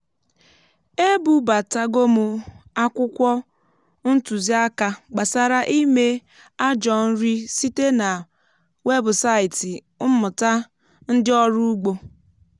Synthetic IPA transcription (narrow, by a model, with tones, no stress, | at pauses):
e˦bu˨ba˨ta˦ɡo˦mʊ˨a˦kʷʊ˦kʷɔ˦ | n̩˦tu˨zi˦a˦ka˨ɡ͡ba˨sa˨ɾa˦ʔi˦me˦ | a˦d͡ʒɔ˨n̩˦ɾi˦si˦te˦na˨ | we˦bʊ˨sa˦ɪ˨ti˨˦ | mʊ˨ta˦ | n̩˦dɪ˦ɔ˦ɾu˦u˦ɡ͡bo˨